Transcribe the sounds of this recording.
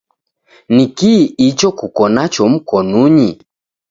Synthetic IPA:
nikiit͡ʃɔkukɔnat͡ʃɔm̩kɔnuɲi

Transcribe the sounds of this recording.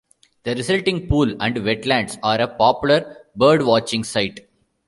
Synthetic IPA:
d̪̥ɐɾɪsʌlʈɪ̃ŋɡpuːlæ̃ɳɖʋɛʈlæ̃ɳɖsaːɾepɔːpjʊləɾbəːɾɖʋɔːt͡ʃɪ̃ŋɡsaɪʈ

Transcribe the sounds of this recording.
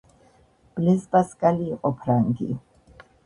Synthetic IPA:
b̥lɛsbʼaskʼaliːqʼɔpʰɾaŋɡḭ

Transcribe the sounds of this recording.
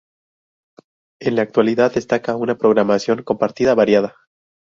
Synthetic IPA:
e̞nlaːk̚t̪waliðaðd̪e̞st̪akaunapɾo̞ɣɾamasjo̞ŋko̞mpaɾt̪iðaβaɾjaða

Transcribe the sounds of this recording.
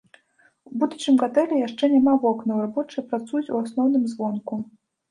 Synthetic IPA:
ubud̪ut͡ʂɨmkat̪ɛlʲɛjaʂt͡ʂɛnʲamavɔknɐwɾabɔt͡ʂɨjɐpɾat̪sujut͡sʲuasnɔwnɨmzvɔnku

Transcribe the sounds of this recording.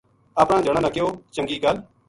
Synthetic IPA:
aːpɽãːd͡ʒəɽ̃ãːnãːkɪoːt͡ʃəŋɡiːɡəl

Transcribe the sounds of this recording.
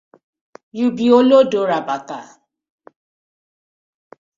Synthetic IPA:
jubiolodoɾabaka

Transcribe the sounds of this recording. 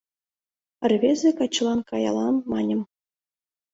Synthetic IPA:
ɘ̆rʲβʲezʲekɑt͡ɕ̆lˠɑnkɑjɑ̰lˠɑnmɑnʲɤ̆m

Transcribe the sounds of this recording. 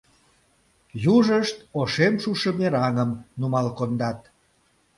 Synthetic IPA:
juʒəʃt̪oʃemʃuʃəmeɾɑŋəmnumɑlkond̪ɑt̪̚

